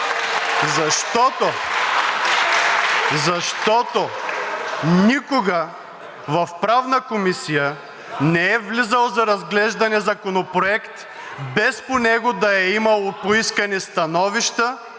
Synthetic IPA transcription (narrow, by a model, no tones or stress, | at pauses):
zɐʃt̪ɔt̪o | zɐʃt̪ɔt̪o | nikoɡə | vɐfpɾavnəkomisijə | nɛɛvlizəlˠzɐɾɐzɡlɛʒd̪ɐnɛzɐkonopɾoɛkt̪ | bɛsponɛɡʊd̪ɐɛimɐlˠopoiskɐnist̪ɐnɔviʃt̪ə